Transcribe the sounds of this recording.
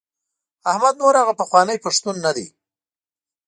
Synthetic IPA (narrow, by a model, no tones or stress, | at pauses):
ahmad̪̚noɾhaɣapəxwɑnəjpaʂt̪unːad̪i